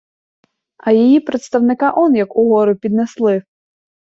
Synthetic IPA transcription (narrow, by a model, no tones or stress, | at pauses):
ɐjijipɾet̪st̪ɐwnɪkɑʔɔnjɐkʊɦɔɾʊpʲid̪neslˠɪ